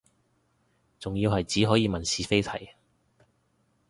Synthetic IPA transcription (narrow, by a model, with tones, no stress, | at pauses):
t͡sʊ˨ŋjiː˧whɐ˨jt͡siː˨˥ɦɔː˨˥jiː˨˧mɐ˨˩nsiː˨˥fe˥jt̪ʰɐ̰˨˩j